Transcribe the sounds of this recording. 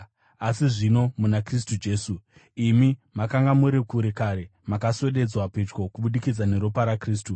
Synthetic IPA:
asiʐino̞munakris̬tud͡ʒe̞ːsu | imimakaŋɡamuɾekuɾekaɾe̞makaso̞ɗe̞d͡zwapet͡ʃkokuɓuɗikid͡zane̞ɾopaɾakriːstu

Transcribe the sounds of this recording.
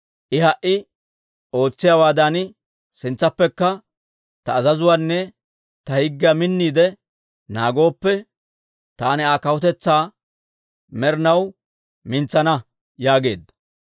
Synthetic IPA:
ʔɪhɐʔɪ | o̞ːt͡sːɪjaːwaːd̪ɐnɪ | sɪnt͡sːɐpːɛkːɐ | t̪ɐːzɐzʊwanːɛ | t̪ɐhɪɡːɪamɪnːiːd̪ɛ | naːɡo̞ːpːɛ | t̪aːnɪaːkɐwʊt̪ɛt͡sːaː | mɛɾɪnɐw | mɪnt͡sːɐnɐ | jaːɡe̞ːd̪ːɐ̥

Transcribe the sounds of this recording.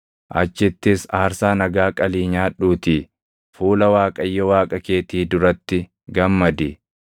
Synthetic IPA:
ʔɐ̰t͡ʃːɪt̪ːɪsaːɾsaːnɐɡaːkʼɐliːɲaːᶑuːt̪iː | fuːlɐwaːkʼɐjːɔwaːkʼɐke̞ːt̪iːd̪ʊɾɐt̪ːɪ | ɡɐmːɐd̪ɪ

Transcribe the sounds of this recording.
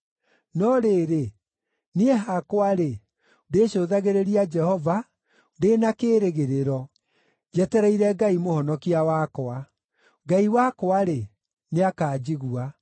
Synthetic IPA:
nɔɾeːɾe | nieɦakwaɾe | deːɕoːðaɣeɾeɾiad͡ʒɛhɔva | denakeːɾeɣeɾeɾɔ | d͡ʒɛtɛɾɛiɾɛɡaimohɔnɔkiawakoa | ɡaiwakoaɾe | neakaːd͡ʑiɣua

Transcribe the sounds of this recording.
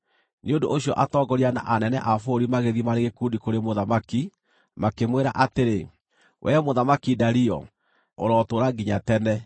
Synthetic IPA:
neondoʔoɕjɔʔatɔɡɔɾiana̰ʔanɛnɛʔafoɾimaɣeðimaɾeɣekundikoɾemoðamaki | makemweɾa̰ʔateɾe | wʔɛ̰moðamakidaɾiɔ̰ | o̰ɾɔːtoɾaɡiɲatɛnɛ

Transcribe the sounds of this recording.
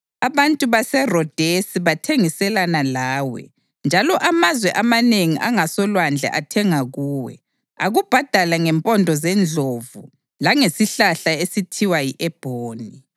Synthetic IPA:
aβantʼuβasɛrɔd̥ʱesiβatʰeŋisɛlanalaːwɛ̰ | nd͡ʒʱalɔʔamazwɛʔamaneŋiʔaŋasɔlwand͡ɮʱɛ̰ʔatʰɛŋaɣuːwɛ̰ | aɣub̥ʱad̥ʱalaŋɛmpʼɔndʱɔzɛnd͡ɮʱovu | laŋesiɬaɬaesitʰiwajiʔɛb̥ʱoːni

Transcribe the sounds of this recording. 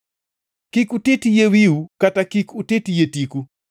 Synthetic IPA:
kikutetijewiukatakikutetijetiku

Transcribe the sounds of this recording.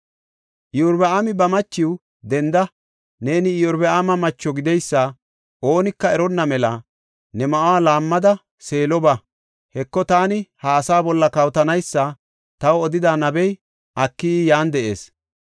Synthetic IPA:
ʔɪjɔɾbɛamɪbɐmɐt͡ʃːɪw | d̪ɛnd̪ɐ | ne̞ːnɪɪjɔɾbɛaːmɐmɐt͡ʃːɔɡɪd̪ɛjsːɐ | ʔo̞ːnɪkːɐɛɾɔnːɐmɛlɐ̰ | nɛmɐʔʊwaːlaːmːɐd̪ɐ | se̞ːlɔbɐ | hɛkːɔt̪aːnɪhɐːsaːbɔlːɐkɐwt̪ɐnɐjsːɐ | t̪ɐwɔd̪ɪd̪anɐbɛj | ʔɐkːijaːnd̪ɛʔe̞̰ːs

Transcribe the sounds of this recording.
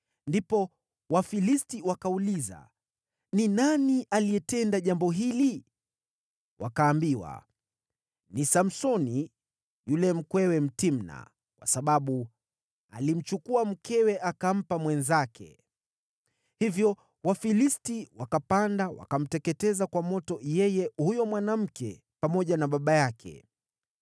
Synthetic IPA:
ndipɔ | wafilistiwakauliza̰ | ninaniʔaliɛtɛndaʄambɔɦili | wʔa̰kaːmbiwa̰ | nisam̩sɔni | julɛm̩kwɛwɛm̩tim̩na̰ | kwa̰saɓaɓu | a̰lim̩t͡ʃukuam̩kɛwɛʔakam̩pamwɛnzakʰɛ̰ | hivjɔ | wafilistiwakapandawa̰kam̩tɛkɛtɛzakwamɔtɔjɛjɛhujɔmwanam̩kɛ̰ | pamɔʄanaɓaɓajakʰɛ̰

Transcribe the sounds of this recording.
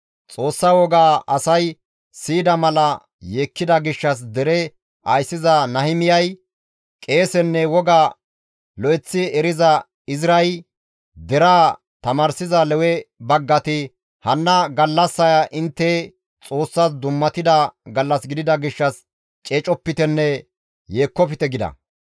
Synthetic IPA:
t͡sʼo̞ːsːɐwɔɡaːʔɐsɐj | siːd̪ɐmɐlɐ | jeːkːɪd̪ɐɡɪʃːɐs̬d̪ɛɾɛ | ʔɐjsːɪzɐnɐhɪmɪjɐj | kʼe̞ːsɛnːɛwɔɡaː | lɔʔɛt͡sːɪɛɾɪzɐ | ɪzɾɐj | d̪ɛɾaː | t̪ɐmɐɾsɪzɐlɛwɛbɐɡːɐt̪ɪ | hɐnːɐɡɐlːɐsːɐjɐʔɪnt̪ːɛ | t͡sʼo̞ːsːɐsd̪ʊmːɐt̪ɪd̪ɐɡɐlːɐsɡɪd̪ɪd̪ɐɡɪʃːɐs | t͡ʃʼeːt͡ʃʼɔpːɪt̪ɛnːɛ | je̞ːkːɔfɪt̪ɛɡɪd̪ɐ̰

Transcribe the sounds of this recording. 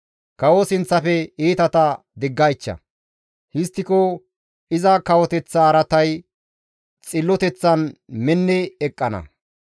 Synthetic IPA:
kɐwosɪnt͡sːɐfɛiːt̪ɐt̪ɐ | d̪ɪɡːɐjt͡ʃːɐ̰ | hɪst̪ːɪko | ɪzɐkɐwɔt̪ɛt͡sːɐːɾɐt̪ɐj | t͡sʼɪlːɔt̪ɛt͡sːɐnmɛnːɛɛkʼːɐnɐ̰

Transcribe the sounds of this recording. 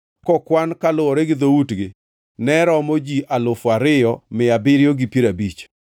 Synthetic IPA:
kɔkwankalʊwɔɾɛɡɪd̪outɡɪ | nɛɾɔmod͡ʒiʔalʊfaɾɪjɔmɪabɪɾjoɡɪpjeɾabit͡ʃ

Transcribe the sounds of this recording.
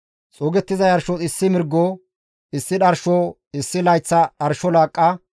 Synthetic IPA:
t͡sʼoːɡɛt̪ːɪzɐjɐɾʃɔɪsːɪmɪɾɡːoː | ɪsːɪɗɐɾʃo | ɪsːɪlɐjt͡sːɐɗɐɾʃɔlaːkʼːɐ

